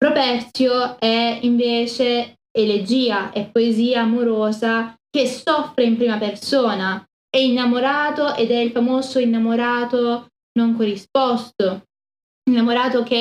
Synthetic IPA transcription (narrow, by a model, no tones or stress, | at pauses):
pɾopɛrt̪sjoɛiɱveːt͡ʃe | eled͡ʒiːaʔɛpːoeziːaːmoɾoːzak̟esɔfɾeimpɾiːmapersoːna | ɛinːamoɾaːt̪oʔed̪ɛilfamoːzoinːamoɾaːt̪o | noŋkorispɔst̪o | inːamoɾaːt̪ok̟e